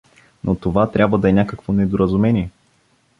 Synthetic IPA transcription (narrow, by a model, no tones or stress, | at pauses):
nʔot̪ovat̪ɾʲʔabvəd̪ɐɛnʲakəkvonɛd̪oɾɐzʊmɛniɛ